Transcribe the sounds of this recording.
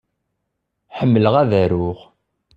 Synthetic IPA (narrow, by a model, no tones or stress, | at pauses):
ħəmːələʁæðæɾʊʁ